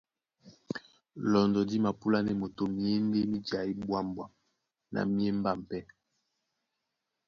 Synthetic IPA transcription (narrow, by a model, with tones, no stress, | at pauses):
lɔ˨ndɔ˨di˦ma˨pu˦la˦nɛ˨mo˨to˨mi˦e˦n˦ɡe˦mi˦da˨i˦bwa˦˨mbwa˦˨ | na̰˨mi˦e˦m̩˦ba˦˨m̩˨pɛ˦